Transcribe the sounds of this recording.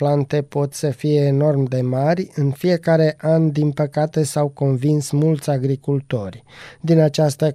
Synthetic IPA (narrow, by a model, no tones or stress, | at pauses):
plant̪e̞po̞t̪səfije̞ːno̞rmd̪e̞marʲɨnfije̞kaɾe̞ʔand̪inpəkat̪e̞sawko̞nvinsmult̪sʲaɡɾikult̪o̞rʲd̪inat͡ʃast̪ə